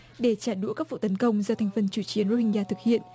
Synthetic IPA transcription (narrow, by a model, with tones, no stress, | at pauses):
ɗe˧˩t͡ɕaː˧˩ɗṵ˧˥əkaː˦˥k̚ṵ˧˨t̪ə˨˦nkə˧wŋ͡mzaɔ˧t̪ʰɛ˧˩jŋ̟fə˧nt͡ɕu˧˩t͡ɕi˨˦ənzo˧hi˧ŋzaː˧t̪ʰɨ˨˩k̚hḭ˧˨ənʔ